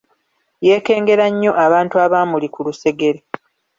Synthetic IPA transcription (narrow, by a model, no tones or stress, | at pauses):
je̞ːke̞ːŋɡe̞ɾaɲːo̞ʔaβaːntuaβaːmulikuluse̞ɡe̞ɾe